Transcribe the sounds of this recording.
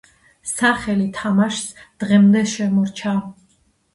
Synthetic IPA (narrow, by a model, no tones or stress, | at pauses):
saχɛlit̪ʰamaʃsd̪̥ʁɛmd̪ɛʃɛmɔɾt͡ʃʰa